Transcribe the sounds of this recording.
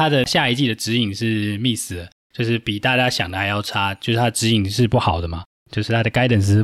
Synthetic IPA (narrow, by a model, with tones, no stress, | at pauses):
a˥d̪ə˨ɕja˥˧i˧t͡ɕi˥˩d̪ə˩ʈ͡ʂɻ̩˧˥i˨˩ŋʂɻ̩˥˧mi˥˩sɹ̩˨˩d̪ə˩ | t͡ɕjo˥˧ʊʂɻ̩˥˩pi˨˩t̪a˥˧t͡ɕja˥ɕjɑ˨˩ŋd̪ə˦˩xa˧˥ɪjɑ˥˩ʊʈ͡ʂʰa˥t͡ɕjo˥˧ʂ̩˥˩t̪ʰa˥d̪ə˨ʈ͡ʂɻ̩˧˥i˨˩ŋʂɻ̩˥˧pu˥˩xɑ˨˩ʊd̪ə˦mɐ˨ | t͡ɕjo˥˧ʊʂɻ̩˥˩t̪ʰa˥də˨ka˥ɪt̪ə˨˩ŋt͡s̬̩˧˥